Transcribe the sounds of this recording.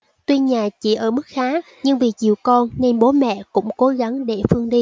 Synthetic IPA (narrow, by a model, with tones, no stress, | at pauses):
t̪wi˧ɲaː˨˩t͡ɕḭ˧˩ʔəː˧˩mɨ˦˥k̚xaː˨˦ | ɲɨ˧ŋvi˨˩t͡ɕḭ˨˧˩əwkɔ˧nne˧nɓo˨˦mɛ̰˧˨kʊ̰˧˥ŋ͡mko˨˦ɣa˨˦nɗe˧˩fɨ˧əŋɗi˧